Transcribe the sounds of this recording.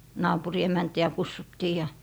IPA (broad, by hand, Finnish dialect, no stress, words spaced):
nɑːpuri emæntiæ kusːutːiː jɑ